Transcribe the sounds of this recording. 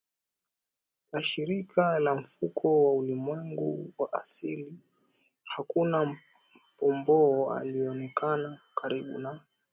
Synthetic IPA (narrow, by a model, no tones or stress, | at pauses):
laʃiɾikʰalaɱ̩fukʰɔwaulimwɛŋɡuwaʔasili | hakuna | m̩pɔmbɔa̰liɛɔnɛkanakʰaɾiɓṵnaɔ